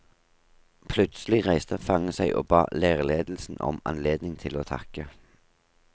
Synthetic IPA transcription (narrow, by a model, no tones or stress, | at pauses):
pʰlʉt̪səlɪʁæɪst̪əfɑŋəsæɪʔo̰ːbɑ̰ːleːʁleːd̪l̩sn̩ɔ̰mɑ̰nleːd̪nɪŋt̪ʰɪloːt̪ʰɑ̰kə